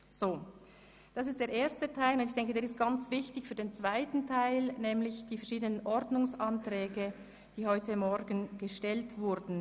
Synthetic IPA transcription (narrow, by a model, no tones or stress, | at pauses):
z̥oː | d̥ɑsɪstd̥eːɐɾʔeːɐstətʰaɪlʊndɪçd̥ɛŋkədeːɾɪst̚ɡ̥ant͡sv̥ɪçtɪçfyːɐdeːnt͡sv̥aɪtn̩tʰaɪlnɛːmlɪçd̥iːfɛɐʃiːdənənʔɔɾdnʊŋsɑntʁɛːɡə | d̥iːhɔʏtəmɔɾɡən̩ɡ̥əʃtɛltv̥ʊɾdn̩